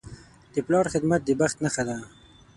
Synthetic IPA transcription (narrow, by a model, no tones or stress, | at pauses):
d̪̥əplɑɾxɪd̪mat̪̚d̪əbaxt̪naxad̪a